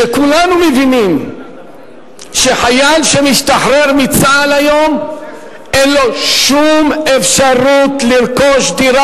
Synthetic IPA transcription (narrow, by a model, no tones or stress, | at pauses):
ekulanumevinim | ʃe̞ħajalʃemiʃt̪aħʁeʁmit͡salajo̞m | ʔenlo̞ʃume̞fʃaʁut̪lilko̞ʃd̪iɾa